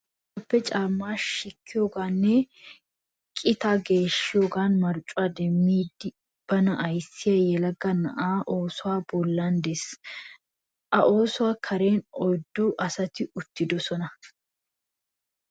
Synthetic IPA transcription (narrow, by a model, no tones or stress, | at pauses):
ɐpːɛt͡ʃʼaːmːaːʃɪkʰːɪjoːɡaːnːɛ | kʼɪt̪aːɡe̞ːʃːɪjoːɡaːnmɐɾt͡ʃʼːʊaːd̪ɛmːiːd̪ɪ | b̥ɐnɐʔɐjsːɪjɐjɛlɐɡɐnɐ̰ʔaːʔo̞ːsʊwaːbɔlːand̪es | ʔɐʔoːsʊwaːkʰɐɾe̞ːnɔjd̪ːʊʔɐsɐt̪ɪʔʊt̪ːɪd̪ɔsɔnɐ